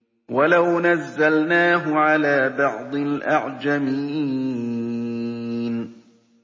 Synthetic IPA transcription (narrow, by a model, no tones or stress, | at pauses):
walawnazːalnaːɦʊʕalaːbɑʕd̪ˤɪlʔaʕd͡ʒamiː | n